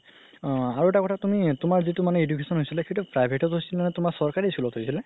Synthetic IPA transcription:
aɹuɛtakɔtʰatumitʊmaɹzitumanɛedukʰesɔnɦojsilɛkʰetupʰɹajbʱeʈɔtɦojsilmanɛtʊmaɹsɔɹkaɹiskulɔthojsilɛ

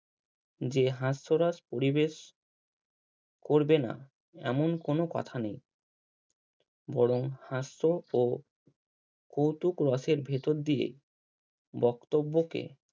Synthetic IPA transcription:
d͡ʑeɦasːoɾaspoɾibeʃ | koɾbena̰ | ɛ̰monkonokɔ̰t̪ʰanej | bɔɽoŋhasːoo | kowt̪ukɾɔseɾbʱet̪oɾd̪iḛ | bɔkt̪obːokḛ

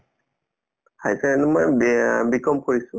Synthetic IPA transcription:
hajsɛɛnɛmɔjbikɔmkoɹisʊ̃

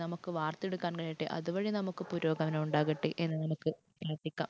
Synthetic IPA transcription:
nɐmukːɨʋaːrt̪e̞ɽukːaːnkɐɻijiʈːɨ̰ʔɐ̰ðuʋɐɻinɐmukːɨpuɾo̞ːɡɐʋɐnɐmuɳɖaːɣɐʈːɨʔe̞nːɨnɐmukːɨ | prɐːʈ̪ːikʲːa̰ːm

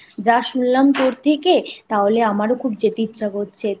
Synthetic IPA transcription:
d͡ʑaʃunlamt̪oɾt̪ʰeket̪aɦoleamaɾokʰubd͡ʑet̪iɾt͡ɕaɡɦotːɕʰe

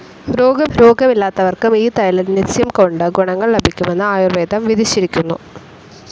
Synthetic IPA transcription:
ɾo̞ːɡɐmɾo̞ːɡʱɐmilːaːt̪ːɐʋɐrkumiːt̪ɐjɐlɐnitːjɐmkoɳɖɨɡuɳɐŋːɐɭlɐbʱikʲːume̞nːɨaːjurʋeːd̪ɐmʋid̪ʱiɕiɾikʲːunːṵ

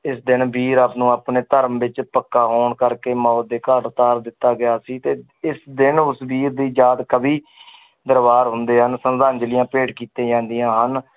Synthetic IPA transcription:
ɪsd̪ɪnbiːɾaːpnũːaːpneːt̪əɾəmʋɪt͡ʃpəkːaːɦoːɳkəɾkeːmɔːt̪̚d̪eːkəɾt̪aːɾd̪ɪt̪ːaːɡɪjaːsiːt̪eː | ɪsd̪ɪnʊsbiːɾd̪iːd͡ʒaːd̪kəbiː | d̪əɾbaːɾɦʊnd̪eːɦənsənd̪aːnd͡ʒəlɪjãːpeːʈkiːt̪ẽːd͡ʒãːnd̪ijãːɦən

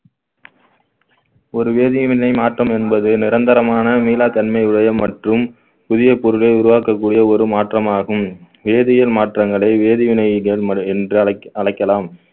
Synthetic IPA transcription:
ɔɾɯʋeːðɪʋɪnɐɪmaːʈrɐmɛnbɐðɯnɪɾɐnd̪ɐɾɐmaːnɐmiːlaːt̪ɐnmɐɪʊɽɐjɐmɐʈrɯm | pʊðɪjɐpɔɾɯlɐɪʊɾʊʋaːkɐkːuːɽɪjɐɔɾɯmaːʈrɐmaːɣɯm | ʋeːðɪjɐlmaːʈrɐŋɡɐɭɐɪʋeːðɪʋɪnɐɪɣɐɭɐɛndrɯɐɭɐɪkːɐlaːm

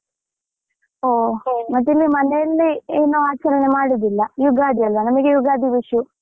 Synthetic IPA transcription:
oːmɐt̪ːilːimɐneɐlːieːnːoːaːt͡ɕɐɾɐnemaːɽid̪ilːɐjuɡaːd̪ʱiɐlːɐnɐmɐkːejuɡaːd̪iʋiʂju

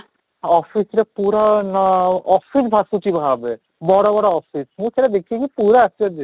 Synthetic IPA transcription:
ɔfʰisɾepuɾanɔfisbʱasuʈibʱabe | bɔɽabɔɽaɔfismũseʈad̪ekʰiekipuɾaasad͡ʒi

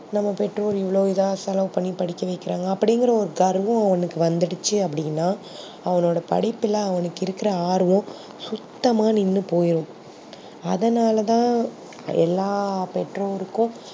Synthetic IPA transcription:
nɐmːɐpɛʈroːlɪʋːɐɭoːɪðaːsɐlɐ̃ːpɐɳːipɐɽɪkːɐʋɐɪkːɪɾaːŋɡɐːpːɐɽɪŋɡɪɾɐɔɾɯɡɐɾʋʊ̃ɐʋɐnɯkːɯʋɐnd̪ɪɽɯt͡ʃːɯɐpːɐɽɪnːaː | ɐʋɐnoːɽɐpɐ̰ɽɪpːɪlɐɐʋɐnɯkːɪɾɯkːɪɾɐaːɾʋʊ̃ | sʊt̪ːɐmaːnɪnːɯpoːjɪɾʊ̃ | ɐðɐnaːlɐt̪ãː | ɛ̰lːaːpɛʈroːɾɯkːʊ̃

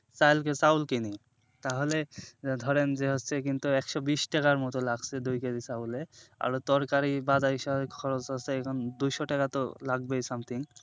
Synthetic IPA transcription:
sajlkesawlkini | t̪aɦoled̪ʱɔɾend͡ʑeɦotːsʰek̬int̪uɛkʃɔbiʃʈɛkaɾmɔt̪olaɡsʰed̪ujked̪isaulea̰ɾot̪ɔɾkaɾibad͡ʑajʃɔkʰɔɾot͡ɕɦoeɛkʰɔnd̪ujʃɔʈɛkat̪olaɡ̚bejsamt̪ʰiŋ

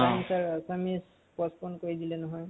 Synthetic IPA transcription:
amsaɹsamis | pɔspɔnkoɹidilɛnɔɦɔj

